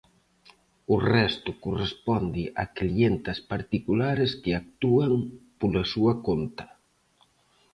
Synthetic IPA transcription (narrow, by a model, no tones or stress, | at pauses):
ʊrɛst̪ʊkorespɔnd̪ɪʔa̰klient̪ɐspaɾt̪ikulaɾɪskɪak̚t̪uaŋpolasuɐkont̪ɐ̥